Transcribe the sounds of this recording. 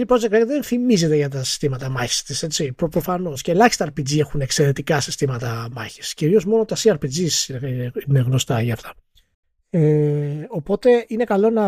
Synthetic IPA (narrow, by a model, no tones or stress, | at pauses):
ipɾoekɾekðenθimize̞t̪e̞ʝɐt̪ɐsi̥st̪imɐt̪ɐmɐçi̥st̪ise̞t͡ssipopɾo̞fɐno̞sceːlɐçi̥st̪ɐɾpid͡zie̞xunekse̞ɾe̞t̪ikɐsi̥st̪imɐt̪ɐmɐ̰çi̥sciɾio̞zmo̞not̪ɐsiɐɾpid͡zisiineɣno̞st̪ɐʝɐːft̪ɐ̥ | eopo̞t̪e̞ine̞kɐlo̞nɐ